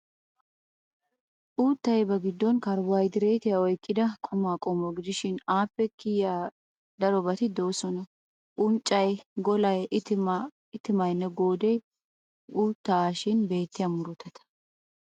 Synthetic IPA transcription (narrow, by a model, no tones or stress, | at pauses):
ʔuːt̪ːɐjbɐɡɪd̪ːɔnkɐɾwɐjd̪ɪɾeːt̪ɪjaɔjkʼːɪd̪ɐkʼɔmaːkʼɔmɔɡɪd̪ɪʃɪnaːpːɛkɪjaː | d̪ɐɾɔbɐt̪ɪd̪o̞ːsɔnɐ | ʔʊnt͡ʃʼːɐjɡɔlɐjt̪ | ɪt̪ɪmɐjnːɛɡo̞ːd̪ɛj | ʔuːt̪ːaʃɪnbe̞ːt̪ːɪjɐmʊɾʊt̪ːɐt̪ɐ̥